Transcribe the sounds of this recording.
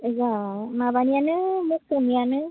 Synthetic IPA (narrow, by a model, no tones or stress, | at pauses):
zamabanijanɯmuk̚sɔmianɯ